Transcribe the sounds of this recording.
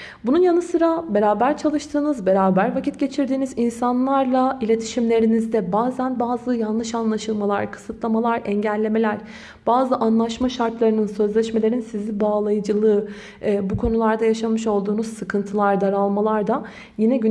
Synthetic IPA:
bununjanɯsɯɾabe̞ɾaːbæɾt͡ʃʰalˠɯʃt̪ʰɯːnɯzbe̞ɾaːbæɾvacʰit̪̚ɟe̞t͡ʃʰiɾd̪iːnizinsanlˠaɾlˠailʲe̞t̪ʰi̥ʃimlʲe̞ɾinizd̪ɛbaːzænbaːzɯjanlːˠɯʃanlˠaʃɯlˠmalˠaɾkʰɯ̥sɯt̪lˠamalˠaɾɛɲɟælʲːe̞me̞lʲæɾ̥ | b̥aːzɯʔanlˠaʃmaʃaɾt̪lˠaɾɯnɯnsø̞zlʲɛʃme̞lʲe̞ɾinsizʲibaːlˠajɯd͡ʒɯlˠɯː | bukʰo̞nulˠaɾd̪ajaʃanmɯʃo̞lˠd̪uːnuz̥sɯkʰɯnt̪ʰɯlˠaɾd̪aɾalˠmalˠaɾd̪a | jinɛɟy

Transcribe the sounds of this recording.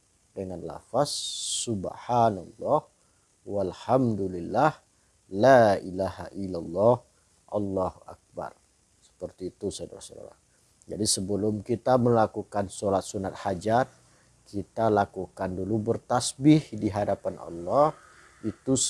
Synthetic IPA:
dəŋanla̰fasːubħanɑ̰lːɑh | walhamdulilːah | lailaha̰ʔilalːɑh | ʔɑlːɑhuʔa̰k̚ba̰r | sə̥pərt̪iːt̪usada̰ɾasoda̰la̰ | d͡ʒadisəbəlʊmkit̪aməlakukansolat̪̚sunat̪̚had͡ʒat̪̚ | kit̪alakukandulubərt̪asbɪhdiɦadapanʔɑ̰lːɔh | it̪u

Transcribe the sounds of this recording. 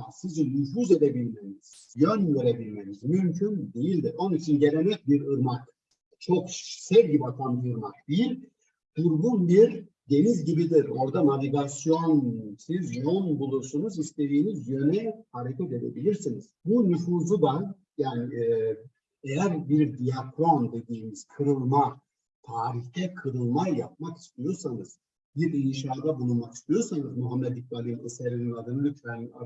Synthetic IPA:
asizinyfuːze̞d̪ebilʲmeniz̥ | jønve̞ɾebilʲmenizmymcʰynd̪e̞jilʲd̪iɾo̞nit͡ʃʰinɟe̞ɾenɛc̚biɾɯɾmak | t͡ʃʰo̞ksɛvɟibiak̪ʰand̪ɯɯɾmak̚d̪̥ejilʲ | d̪̥uɾbunbiɾ | d̪e̞nizɟibid̪iɾo̞ɾd̪anavʲiɡasijo̞nsizjo̞nbulˠuɾsunuzist̪e̞d̪iːnizjø̞nɛhaɾecʰɛt̪e̞d̪ḛbilʲiɾsiniz̥bunufuːzud̪a | jaːni | ejæɾbiɾd̪ijakʰɾˠo̞nd̪e̞d̪iːmiz̥kʰɯɾɯlˠma | t̪ʰaːɾiçt̪ʰɛkʰɯɾɯlˠmajap̚maki̥st̪ʰijo̞ɾsanɯz̥ | biɾinʃaːd̪abulˠumaki̥st̪ʰijo̞ɾsanɯzmuɦamːɛd̪ik̚balʲimɯseɾininad̪ɯnɯlʲyt̪væna

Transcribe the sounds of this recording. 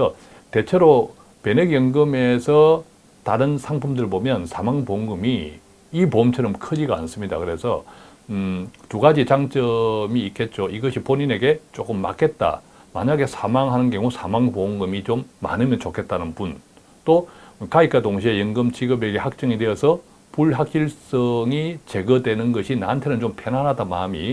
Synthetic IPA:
ʌ | te̞t͡ɕʰe̞ɾo | pe̞neɡjʌŋɡɯmesʰʌ | taɾɯnsʰaŋpʰɯmdɯɭbomjʌnsʰamaŋpoŋɡɯmiː | pomt͡ɕʰʌɾʌmkʰɯd͡ʑiɡaa̰ns͈ɯmɲida̰kɯɾe̞sʰʌ̰ | tuɡad͡ʑit͡ɕaŋt͡ɕ͈ʌmiːk͈ʰːe̞t̚t͡ɕ͈oiɡʌɕʰipoɲine̞ɡe̞t͡ɕ͈ok͈ɯmːa̰k͈ʰe̞t̚t͈a̰ | ma̰ɲaɡe̞sʰamaŋɦanɯnkjʌŋusʰamaŋpoŋɡɯmit͡ɕomːa̰nɯmjʌnt͡ɕokʰe̞t̚t͈anɯnpun | t͈okaikʰatoŋɕʰie̞jɯŋɡɯmt͡ɕiɡɯbeɡe̞hak̚t͡ɕ͈ʌŋidweʌsʰʌ | puɭɦak̚ɕ͈iɭs͈ʌŋit͡ɕe̞ɡʌdwe̞nɯnɡʌɕʰina̰antʰe̞nɯnt͡ɕompʰenanɦadama̰mi

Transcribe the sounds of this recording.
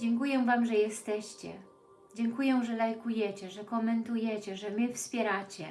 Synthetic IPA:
d͡ʑɛŋkujɛ̃vamʐɛjɛst̪ɛɕt͡ɕɛ̰ | d͡ʑɛŋkujɛw̃ʐɛlajkujɛt͡ɕɛʐɛkɔmɛnt̪ujɛt͡ɕɛʐɛmɘfspʲjɛɾat͡ɕɛ̰

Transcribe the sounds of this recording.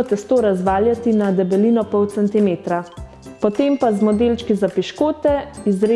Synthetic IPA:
ɔt̪ɛst̪oːɾazʋaːljat̪inad̪ɛbɛliːnɔpɔwt̪sɛnt̪imeːt̪ɾa | pɔt̪empazmɔd̪elt͡ʃkizapiʃkoːt̪ɛizɾe

